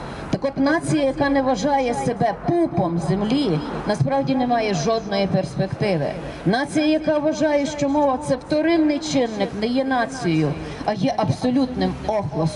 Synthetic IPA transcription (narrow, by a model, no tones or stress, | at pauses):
t̪ɐkɔt̪nɑt͡sʲijɐjɐkɑnɛʋɐʒɑjɛsebɛpupɔmzemlʲinɐspɾɑwdʲinɛmɑjɛʒɔd̪̚nɔjiperspekt̪ɪʋɪ̰ | nɑt͡sʲijɐjɐkɑʋɐʒɑjɛʃt͡ʃɔmɔʋɐt̪sɛwt̪ɔɾɪnːɪjt͡ʃɪnːɪknɛjɛnɑt͡sʲijɔjʊ | ɐjɛʔɐbsɔlʲut̪nɪmɔxlˠɔs